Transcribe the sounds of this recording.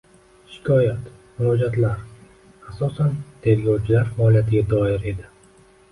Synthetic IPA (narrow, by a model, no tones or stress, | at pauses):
ʃɪ̥kʰɒjat̪ | mʊɾɒd͡ʒat̪laɾ | asɒsand̪ʰeɾɡɒwt͡ʃʰilaɾfaɔlijat̪ʰiɡad̪ɔeɾed̪a